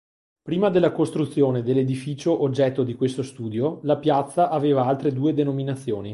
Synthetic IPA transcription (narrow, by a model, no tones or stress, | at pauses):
pɾiːmad̪elːakost̪ɾut̪sːjoːned̪elːed̪ifiːt͡ʃoʔod͡ʒːɛt̪ːod̪ikwest̪ost̪uːd̪jolapjat̪sːaʔaveːvaalt̪ɾed̪uːed̪enominat̪sːjoːni